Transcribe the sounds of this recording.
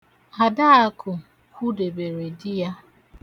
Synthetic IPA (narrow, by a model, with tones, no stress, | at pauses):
a˨da˦a˦kʰʊ˨ | kʷu˦de˨be˨ɾe˨di˦ja˦